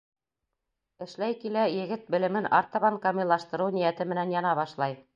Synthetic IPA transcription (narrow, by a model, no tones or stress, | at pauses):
ɘ̆ʃlæjkilæjɘ̆ɡɘt̪̚bɘ̆lɘ̆mɘnʔɑɾt̪ɑβɑŋkɑmilːˠɑʃt̪ɤ̆ɾɤwnijæt̪ɘmɘ̆nænjɑnɑβɑʃlˠɑj